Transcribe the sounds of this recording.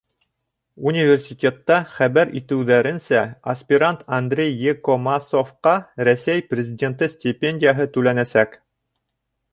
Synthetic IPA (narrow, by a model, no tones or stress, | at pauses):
unʲɪvʲersʲitʲet̪ːɑχæβæɾḭt̪ɘ̆wðæɾɘ̆nsæɐsʲpʲɪɾant̪ʰɐnd̪rʲejːekomasofqɑɾæsʲæjprʲɪzʲɪdʲe̞nt̪ɤsʲtʲɪpʲenʲdʲɪjaɦɤt̪ʉlænæsæk